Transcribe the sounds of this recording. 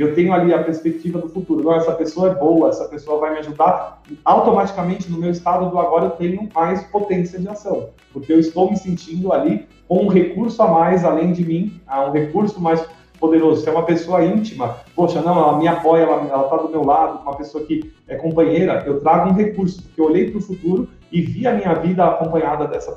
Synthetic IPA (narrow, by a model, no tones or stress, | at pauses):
ewt̪ẽjɲʊaliɐpeɾspek̚t͡ʃivɐd̪ʊfut̪uɾʊnɐ̃w̃ɛsɐpesoɐɛbowɐɛsɐpesoɐvajmɪaʒud̪aɾawt̪omat͡ʃi̥kamẽnt͡ʃɪnʊmewist̪ad̪ʊd̪ʊaɡɔɾɐewt̪ẽɲʊmajspot̪ẽsiɐd͡ʒɪasɐ̃w̃ | poɾkeewist̪owmɪsẽnt͡ʃĩnd̪ʊali | kõũɦekuɾsʊamajzalẽj̃d͡ʒɪmĩɛũɦekuɾsʊmajs | pod̪eɾozʊsɪɛũmɐpesoɐĩnt͡ʃimɐpoʃɐnɐ̃w̃ɛlɐmĩɲɐpɔjɛlɐɛlɐt̪ad̪ʊmewlad̪ʊũmɐpesoɐkɪɛkõmpɐ̃ɲejɾɐʔewt̪ɾaɡʊũɦekuɾsʊ̥pʊɾkeoʎejpɾʊfut̪uɾʊ | ɪviɐmĩɲɐvid̪ɐakõpɐ̃ɲad̪ɐd̪ɛsɐ